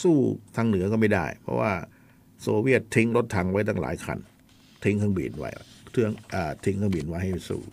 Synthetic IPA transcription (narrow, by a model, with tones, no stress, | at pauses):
suː˥˩t̪ʰa˧ŋnɯ˨˦ɐkɔː˥˩ma˥˩jda̰˥˩jpʰɔ̰˧˥wa̰ː˧˥˩ | so˧wi˥˩ət̪̚ʰːi˧˦˥ŋlo˦˥t̪ʰːa˧˥ŋwa˦˥jt̪ʰa˥˩ŋla̰ː˨˦jkʰa̰˧˩n | t̪ʰi˧˥ŋkʰɯ˧˩˨ŋbḭː˨˩nwa̰˦˥ja̰˧˩t̪ʰɯ˧˥˩əŋʔaː˨˩t̪ʰi˧˥ŋkʰa˥˩ŋbiː˨˩nwa˦jha˥˩sṵː˧˩